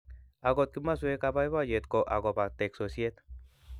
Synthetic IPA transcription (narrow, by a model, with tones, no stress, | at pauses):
a˨ɡo˧t̪̚kimːa˦sue˦kapa˦jba˦je˨t̪ko˨ʔa̰˨ɡo˨pa˨t̪ekso˨sie˦t̪